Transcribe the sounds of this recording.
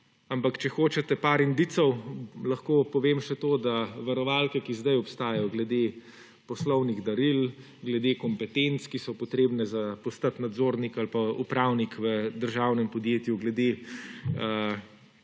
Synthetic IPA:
ampakt͡ʃɛxoːt͡ʃɛt̪ɛpaːɾind̪it̪sɔwlɐxkoːpɔʋemʃɛt̪oːd̪aʋaɾɔʋalkɛkizd̪ajɔpst̪aːjɔɡlɛd̪eː | pɔslɔwniɣd̪ɐɾil | ɡlɛd̪ekɔmpɛt̪ent̪skisɔpɔt̪ɾeːbnɛzapɔst̪at̪nad̪zoːɾnikalpaṵpɾawnikʋəd̪əɾʒawnɛmpɔd̪jeːt̪juɡlɛd̪e | ə

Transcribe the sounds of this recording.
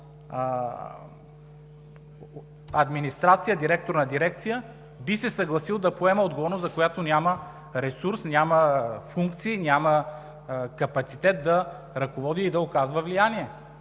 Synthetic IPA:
ɐd̪minist̪ɾat̪sijəd̪iɾɛk̚t̪oɾnɐd̪iɾɛk̚t̪sijə | bisɛsɐɡlˠɐsilˠd̪ɐpoɛməod̪ɡovɔɾnoszɐkojat̪onʲamə | ɾɛsuɾsnʲjaməfuŋk̚t̪siːnʲamə | kɐpɐt̪sit̪ɛt̪̚d̪ɐ | ɾɐkovɔd̪iːd̪ɐokazvəvlijaniɛ

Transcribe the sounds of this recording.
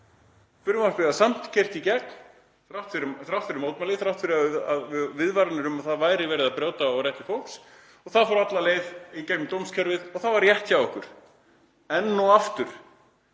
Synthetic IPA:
fʏɾʏmḁpɪðasam̥t̪cʰer̥t̪icɛkn | θɾawht̪fɪɾʏθɾawht̪fɪɾʏmowt̪malɪθɾawht̪fɪɾɪaaðvɪðvaɾanɪɾʏmaðθaðvaːjɾɪvɛːɾɪðaðpɾjaːwt̪aɔɣɾjɛht̪ɪfowl̥ks | ɔɣθaðfɔɾat̪laleːjvicɛkmɪt̪owmscʰɛɾvɪðɔɣθavaɾjɛht̪çawɔhkʏɾ̥ | ɛnːɔaft̪ʏɾ̥

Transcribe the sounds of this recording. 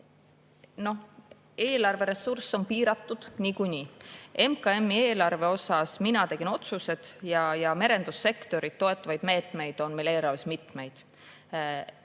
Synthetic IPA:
no̞h | e̞ːlɑrve̞ɾe̞sursːo̞npiːɾɑt̪ːˑud̪̥niːkunʲie̞mkɑe̞mːieːlɑrve̞o̞sɑsminɑt̪e̞ɡ̥ino̞t̪suse̞d̪̥jɑjɑme̞ɾe̞nd̪usːe̞kt̪o̞ɾit̪ːo̞e̞t̪ːˑɑvɑjd̪me̞ːt̪ˑme̞jd̪̥o̞nmele̞ːlɑɾrvesmit̪ˑme̞jd̪̥

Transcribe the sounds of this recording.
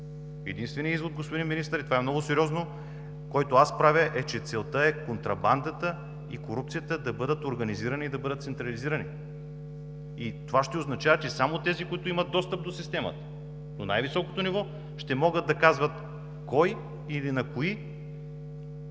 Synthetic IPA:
ɛd̪inst̪vɛnijəizvod̪̚ɡospod̪inminist̪əɾit̪ovaɛmnɔɡʊsɛɾjɔzno | kɔjt̪oaspɾavʲəʔɛt͡ʃɛt̪sɛlˠt̪əɛkont̪ɾɐband̪ət̪ə | ikoɾup̚t̪sijət̪əd̪ɐbɤd̪ət̪oɾɡɐniziɾɐniːd̪ɐbɤd̪ət̪t̪sɛnt̪ɾɐliziɾɐni | it̪ovaʃt̪ɛoznɐt͡ʃavət͡ʃɛsamot̪ɛzikʊit̪ʊimɐt̪̚d̪ɔst̪əp̚d̪osist̪ɛmɐ̰t̪ə̥ | nonajvisɔko̥t̪onivɔ | ʃt̪ɛmɔɡəd̪̚d̪ɐkazvɐt̪ | kɔj | ilinɐkoi

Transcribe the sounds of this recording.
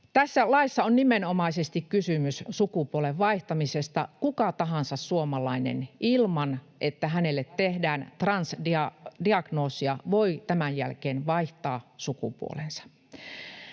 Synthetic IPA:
t̪æsːælɑisːɑonnimenomɑisest̪ikkysymyssukupuoleʋʋɑiht̪ɑmisest̪ɑ̰kukɑt̪ɑɦɑnsɑssuomɑlɑinḛnʔilmɑn | ʔet̪ːæɦænelːet̪tehdæːnt̪rɑnsdiɑdiɑɡ̥noːsiɑʋoit̪æmænjæ̰lkeːnʋɑiht̪ɑːsukṵpṵo̰lensɑ̥

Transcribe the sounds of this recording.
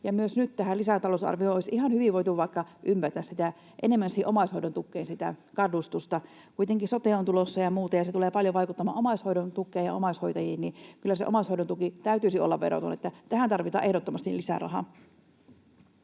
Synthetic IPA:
jɑmyøsnyt̪t̪æhælisæt̪ɑlousɑ̰rʋiooisihɑnhyʋiʋʋoit̪uʋɑikːɑʔympært̪æssit̪æ | ʔenemːænsihiʔomɑishoidont̪ukːeinsit̪æ̰kɑdˑust̪ust̪ɑ | kuit̪eŋkisot̪eˑont̪ulosːɑjɑmuːt̪ɑjɑset̪uleːpɑljoʋɑjkut̪ːɑmɑ̰ːomɑishoidont̪ukːˑeːjjɑ̰omɑishoit̪ɑjiːnnikylːæseʔomɑˑishoidot̪ukit̪æyt̪yisio̰lːɑʋʋḛɾo̰t̪o̰net̪ːæt̪æhænt̪ɑrʋit̪ɑ̰ʔe̞hdot̪ːomɑst̪ilisæ̰rɑ̰hɑ̰

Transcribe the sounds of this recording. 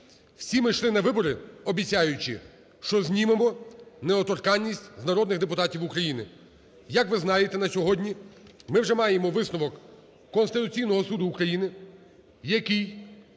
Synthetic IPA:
w̥sʲimɪʃlˠɪnɐʋɪbɔɾɪɔbʲit͡sʲajʊt͡ʃɪ̰ | ʃt͡ʃɔzʲnʲimemɔneɔt̪ɔrkɑnʲːisʲtʲznɐɾɔd̪nɪɣd̪epʊt̪ɑtʲiwukɾɐjinɪ | jɐkʋɪznɑjet̪ɛnɐsʲɔɦɔdʲnʲimɪwʒɛmɑjemɔʋɪsnɔʋɔkː | ɔnst̪ɪt̪ʊt͡sʲijnɔɦɔsud̪ʊːkɾɐjinɪ | jɐkij

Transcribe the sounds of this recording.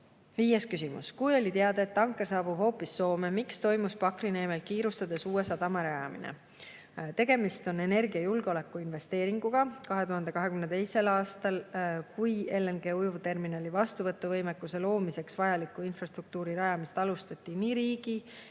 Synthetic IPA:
viːjeskysimṵskujo̞lʲit̪eɑd̪̥ɑe̞t̪ːɑŋkˑːe̞rsɑːb̥ub̥ho̞ːpːˑisːo̞ːme̞mikst̪o̞jmuspɑkrine̞ːmelkiːɾust̪ɑd̪e̞suːe̞sɑt̪ɑmeɾɑjɑmḭnḛ | t̪e̞ɡ̥e̞mist̪o̞ne̞ne̞rɡ̥iɑjulɡ̥eo̞le̞kːˑuinve̞st̪e̞ːɾiŋɡuɡ̥ɑkɑɦe̞t̪uhɑnd̪e̞kɑɦe̞kymnet̪e̞jse̞lɑːst̪ɑlkuje̞lːenɡ̥e̞ːujuvt̪e̞rminɑlʲivɑst̪uvɤt̪ːˑuvɤ̞jmekːˑuse̞lo̞ːmise̞ksvɑjɑlikːˑuinfrɑst̪ruk̚t̪uːɾiɾɑjɑmist̪ɑlust̪ɑt̪ʲːˑiniːɾiːɡ̥i

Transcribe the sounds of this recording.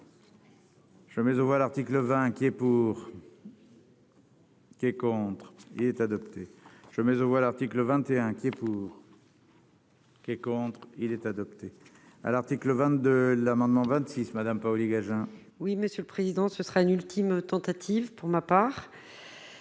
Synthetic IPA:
ʒ̥əmɛzovwalaʁt̪ikləvɛ̃kʲiɛpuːʁ | kʲiɛkɔ̃t̪χḭlɛt̪ad̪ɔpt̪eʒ̥əmɛzovwalaʁt̪ikləvɛ̃t̪eɛ̃kʲiɛpuːʁ | kʲiɛkɔ̃t̪χilɛt̪ad̪ɔpt̪e | a̰laʁt̪ikləvɛ̃t̪d̪əlamɑ̃d̪mɑ̃vɛ̃t̪sismad̪ampaɔliɡaʒɛ̃ | wiməsjøləpχezid̪ɑ̃səsəʁaynylt̪ʰimt̪ɑ̃t̪at̪ʰivpuʁmapaːʁ

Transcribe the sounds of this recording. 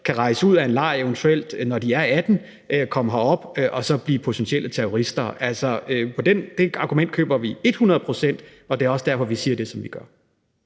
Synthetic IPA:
kʰæʁɑ̈ɪsəuð̞̰ˠæe̝nlɑ̈ɪ̰eʋənt͡sʰuel̰d̥nɒd̥iæɐæd̥n̩ | økʰɒ̽məɦɑɒ̽b̥ʔɒ̽sɒ̽b̥liːpʰo̝t͡sʰensielət͡sʰeoʁisd̥ɐʔæl̰sɒøpʰɒ̽d̥end̥e̝ɑ̈ːɡ̥umen̰d̥kʰø̰ːb̥ɐʋie̝d̥hunɐð̞̩ˠpʰʁo̝sen̰d̥ | ɒ̽d̥eæɐɒ̽sd̥æɐfɒ̽ʋisiːɐd̥e̝sɒ̽mʋiɡ̥ɶɐ

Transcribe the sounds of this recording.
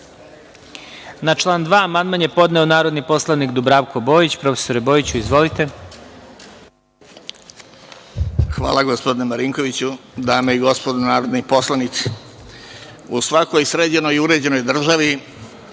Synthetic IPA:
nat͡ʃlˠaːnd̪ʋaːmand̪manjepo̞d̪neonaːɾo̞d̪nipo̞slˠanikd̪ubɾaʋko̞bo̞ːjit͡ɕpɾo̞fe̥soɾebo̞ːit͡ɕuizʋo̞lit̪e̞ | xʋa̰ːlˠaɡospd̪inemaɾiːŋko̞ʋit͡ɕud̪aːmeiɡo̞spod̪onaːɾod̪nipo̞slˠanit̪si̥ | usʋako̞jsɾeːd͡ʑe̞no̞juɾe̞d͡ʑe̞no̞jd̪r̩ʒaʋi

